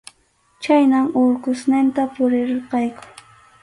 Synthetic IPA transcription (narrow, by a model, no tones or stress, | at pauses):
t͡ʃajnaŋʊɾkʊsnɪnt̪apʊɾɪɾɪɾqɑjkʊ̥